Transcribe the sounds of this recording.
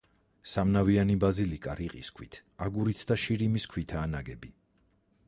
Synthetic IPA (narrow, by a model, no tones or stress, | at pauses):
samnavianibazilikʼaɾiqʼḭskʰwḭt̪ʰaɡuɾit̪ʰd̪aʃiɾimiskʰwit̪ʰaːnaɡɛbi